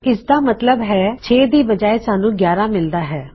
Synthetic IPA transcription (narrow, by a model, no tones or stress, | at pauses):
ɪsd̪aːmət̪ləbɦɛːt͡ʃʰeːd̪iːbəd͡ʒaːeːsaːnũːɡjaːɾãːmɪld̪aːɦɛː